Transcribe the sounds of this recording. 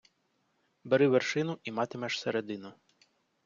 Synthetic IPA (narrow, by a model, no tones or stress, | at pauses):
beɾɪʋerʃɪnʊʔimɑt̪ɪmɛʃseɾed̪ɪnʊ